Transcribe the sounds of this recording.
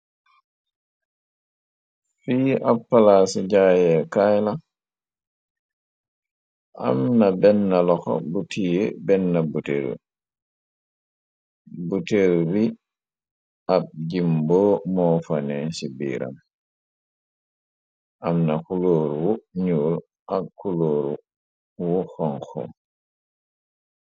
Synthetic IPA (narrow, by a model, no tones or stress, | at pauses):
fiːapːalasiɟajɛkajla | ʔa̰mnabɛnːalɔxɔ̰butiːjebɛnːabutḛɾṵ | buteɾubi | ab̚d͡ʒimbɔmɔfanɛsibḭːɾa̰m | ʔamnakuloːɾuwuɲuːl | ʔakːuloːɾu | wuxɔŋxɔ̰